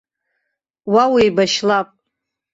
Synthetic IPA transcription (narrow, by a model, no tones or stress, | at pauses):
wawijbaʃlapʼ